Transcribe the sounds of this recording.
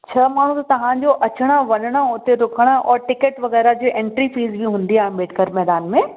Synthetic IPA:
t͡ɕʰɐmaːɳ̤ũt̪ɐt̪ɐʋ̤ãɲd͡ʑoʔɐt͡ɕəɽ̃aʋɐnəɽ̃aɦot̪eɾʊkʰəɽ̃aʔɔːɾʈɪkəʈʋɐɣɛːɾad͡ʑoːʔẽːɳʈɾifiːzbʱiɦũːn̆d̪iaːɦẽbeːʈʰkəɾmɛːd̪aːnmẽ

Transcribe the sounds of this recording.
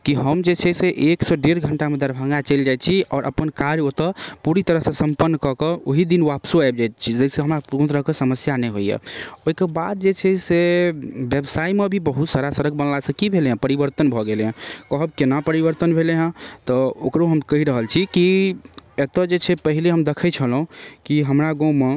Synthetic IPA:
kiɦəmd͡ʒet͡ʃʰɛseʔeksɔɖeɾɡʱəɳʈamed̪əɾbʱaŋɡat͡ʃɛld͡ʒajt̪̚t͡ʃʰiɔːɾʔə̰pənkaɾjot̪əpuɾit̪əɾəɦsə̃səmpənːkɔkeoɦid̪inʋapsoajb̚d͡ʒajt̪̚t͡ʃʰid͡ʒəseɦəmɾapũt̪ɾəɦkesəməsjanɛɦoijḛoɦikebad̪̚d͡ʒet͡ʃʰɛsebjebsaimebʱibəɦut̪saɾasəɾəɡ̚bənlasəkibʱeleɦə̃pəɾibəɾt̪ənbʱɔɡeleɦə̃kəɦəb̚kenapəɾibəɾt̪ənbʱeleɦə̃t̪ɔokɾoɦəmkəɦiɾəɦəlt͡ʃʰiki | et̪əd͡ʒet͡ʃʰɛpəɦileɦəmd̪ekʰət͡ʃʰəlɦũkiɦəmɾaɡɔ̃me

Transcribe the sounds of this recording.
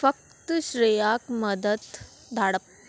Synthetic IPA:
fək̚t̪ɕɾijakməd̪ət̪ | d̪ʱaɽəp̚

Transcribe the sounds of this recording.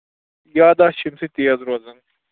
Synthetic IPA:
jaːd̪aʃimsit̪iːɐzɾozɐŋ

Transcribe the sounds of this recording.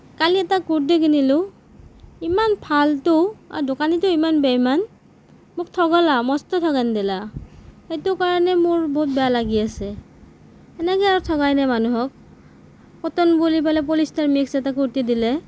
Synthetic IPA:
kaliɛtakuɹdiɡinilʊ | imanpʰaltʊa̰dokanitʊimanbɛjman | mʊk̚tʰɔɡɔlamɔstɔtʰɔɣandɛlaxejtʊkaɹɔnɛmʊɹbɔɦut̚bɛjalaɡiasɛ | ɛnɛkɛjaɹutʰɔɡajnamanuɦɔk̚ | pɔtɔnbulipalɛp̬olistaɹmiksɛtakuɹtidilɛ

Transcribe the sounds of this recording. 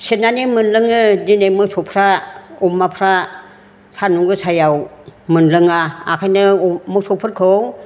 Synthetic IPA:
senanimɯnlɯŋɯdinemɯsɔpʰɾaɔmːapʰɾa | sʰanuŋɡɯsʰajawmɯnlɯŋaa̰kʰajnɯmɯk̚sɔpʰɯɾkʰɯw

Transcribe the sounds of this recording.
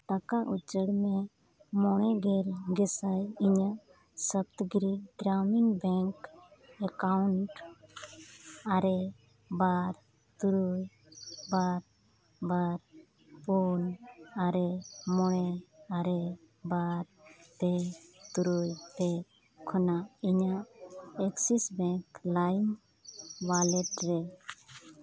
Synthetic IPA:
t̪akaʔut͡ʃəɽme | mɔɽ̃ɛɡeɾɡɛsajiɲa | səb̚t̪ɡɾiɡɾaminbɛŋkɛkaʊɳʈ | aɾe | baːɾ | t̪uɾuj | baːɾ | baɾ | punaɾemɔɽɛaɾe | baɾbɛt̪uɾujtɛ | kʰɔnaiɲaɛksisbɛŋklajn | walɛtɾɛ

